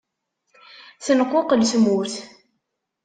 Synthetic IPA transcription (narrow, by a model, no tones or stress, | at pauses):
θənəqʷːoqəlsmuθ